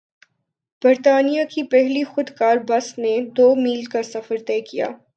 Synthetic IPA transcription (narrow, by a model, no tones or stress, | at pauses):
b̥ɐɾt̪aːnijakipɛɦlixʊd̪kaːɾbɐsned̪oːmiːlkasɐfəɾt̪ɛːkija̰ː